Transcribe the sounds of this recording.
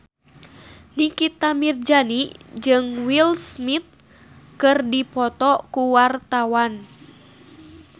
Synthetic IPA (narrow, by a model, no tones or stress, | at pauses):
nikit̪amird͡ʒanid͡ʒɨŋwilsmit̪̚ | kɨrdipɔt̪ɔkuwart̪awan